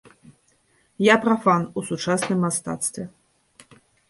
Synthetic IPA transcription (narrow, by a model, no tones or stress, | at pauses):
japɾafanusut͡ʂasnɨmːast̪a̰t̪st̪vʲɛ